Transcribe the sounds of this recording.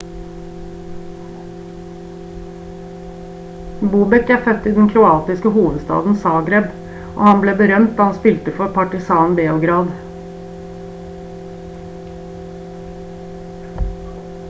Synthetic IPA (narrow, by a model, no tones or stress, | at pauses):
buːbɛkæːɾfœt̪iːd̪n̩kʰɾʊɑːt̪ɪskəhuːʋəd̪st̪ɑ̰ːd̪n̩sɑːɡɾɛb | ʔo̰ːhɑnbleːbəɾœmt̪̚d̪ɑːhɑnspɪlt̪əfɔɾpʰɑʈɪsɑːnbeːʊɡɾɑːd̪